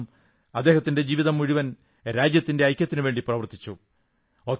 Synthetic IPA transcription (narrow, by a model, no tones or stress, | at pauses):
m | ɐd̪ːe̞ːɦɐt̪ːinde̞d͡ʑiːʋiðɐmːuɻiʋɐn | ɾaːd͡ʑjɐt̪ːinde̞ɐjkʲjɐt̪ːinuʋe̞ːɳɖiprɐʋɐrt̪ːi̥t͡ɕːu | o̞ːk